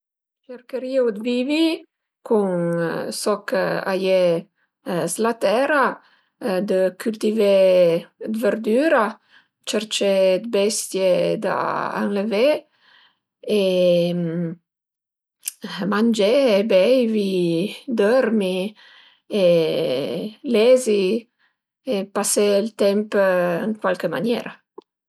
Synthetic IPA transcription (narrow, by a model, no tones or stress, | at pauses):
t͡ʃeɾkəɾiaud̪vivi | kuŋsɔka̰je | zlat̪ɛɾa | d̪əkʰylt̪ive | d̪vəɾd̪yːɾa | t͡ʃəɾt͡ʃed̪bɛst̪jed̪a̰a̰ŋləve | em | mand͡ʒeebɛjvid̪ɔɾmi | e | lɛzi | epaselt̪ɛmpəŋkwalkəma̰njɛɾa